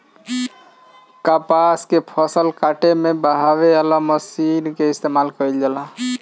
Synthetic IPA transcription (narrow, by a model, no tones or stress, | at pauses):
kapaskepʰɔsəlkaʈemebəɦawealaməsinkeist̪emalkəild͡ʒala